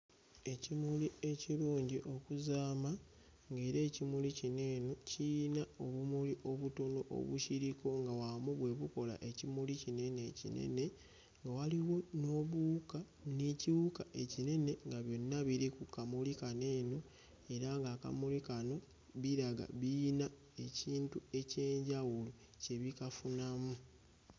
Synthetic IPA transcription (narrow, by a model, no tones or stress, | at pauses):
e̞cimulie̞ciɾuːɲɟiʔo̞kuzaːma | ŋɡe̞ːɾe̞ːcimulicine̞ːno̞cinao̞βumuliʔo̞βuto̞no̞ʔo̰βuʃiɾiko̞ŋɡawamuβwe̞βuko̞la̰ʔe̞cimulicine̞ne̞cḭnḛne̞ | ŋɡawaliwo̞no̞βuka | niciwukaʔe̞cine̞ne̞ŋɡaβjo̞nːaβiɾikukamulikane̞ːno̞ | e̞ɾaŋɡaːka̰mulikano̞ | βiɾaɡa̰βina | e̞ciːntue̞ce̞ːɲɟawulu | ce̞βikafunamu